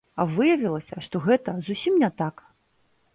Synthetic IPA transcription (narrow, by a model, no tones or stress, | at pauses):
ɐvɨjɐvʲilˠɐsʲɐʂt̪ɔɣɛt̪ɐzusʲimnʲɛt̪ak